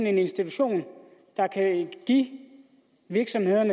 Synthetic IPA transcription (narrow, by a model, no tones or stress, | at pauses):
ne̝ne̝nsd̥it͡sʰuɕo̝̰ːn | d̥ɑ̈kʰæɡ̥i | ʋiɐɡ̥sɒ̽mhe̝ð̞̰ˠɐnə